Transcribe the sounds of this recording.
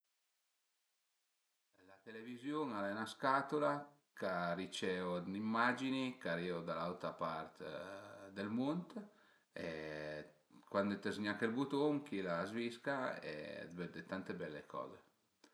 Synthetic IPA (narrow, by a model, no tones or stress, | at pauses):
lat̪elevizjoŋalɛnaskat̪ola | karit͡ʃɛonimːad͡ʒinikaɾiod̪alawt̪ɾapaɾt̪ | d̪elmont̪ | e | kwand̪et̪ezɲakelbut̪oŋkilazviskaɛ̰vɛd̪et̪ant̪ebɛlːekʰɔ̰ːze